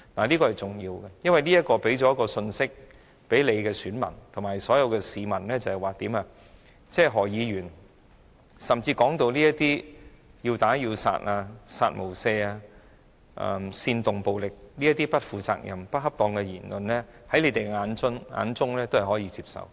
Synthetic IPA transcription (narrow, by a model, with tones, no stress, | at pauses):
naː˨˩li˥kɔ˧hɐ˨˩jt͡sʊ˨ŋjiː˧wɡɛ˧jɐ˥nwɐ˨jliː˥jɐ˥t̚kɔː˧pe˨˥jt͡sɔ˨˥jɐ˥kɔː˧sɵ˧nsɪ˥k̚ | pe˨˥jle˨˧jkɛː˧syː˨˥nmɐ̰˨˩nt̪ʰʊ˨˩ŋmaː˨˩jsɔː˨˥jɐ˨˧wkɛː˧siː˨˧mɐ˨˩nlɛː˥t͡sɐ˨˩hɛ˨jwaː˨˩t̪iː˨˥maː˧ | t͡sɛː˥ɦɔː˨˩jiː˨˧ɥyː˨˩n | sɐ˨mt͡siː˧kɔː˨˥ŋt̪o˧wliː˥jɐ˥t̪iː˥ji˧wt̪aː˨˥jiː˧wsa̰ː˧tʔaː˧saː˧t̚mo˨˩wsɛː˧aː˧ | ʔɐ̰˨˧siː˧nt̪ʊ˨ŋpo˨wlɪ˨k̚li˥jɐ˥t̪iː˥pɐ˥t̚fuː˨t͡sa̰ː˧k̚jɐ̰˨˩mpɐ˥t̚hɐ˥p̚t̪ɔː˧ŋkɛ˧jiː˨˩nlɵ˨nlɛː˥ | hɐ˨˥jle˨˧t̪e˨jŋaː˨˧˥nt͡sʊ˥ŋa̰ː˨˧nt͡sʊ˥ŋlɛː˥t̪o˥whɐ˨jhɔː˨˥jiː˧˥t͡siː˧˥p̚sɐ̰˨w